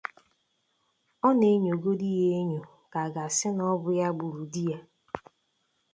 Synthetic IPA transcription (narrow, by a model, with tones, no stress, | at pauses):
ɔ˦ne˦ɲo˨ɡo˦di˦ɦe˦ɲo˨ | ka˨ɡa˨sɪ˦nɔ˦bʊ˨ja˦ɡ͡bu˨ɾu˨di˦ja˨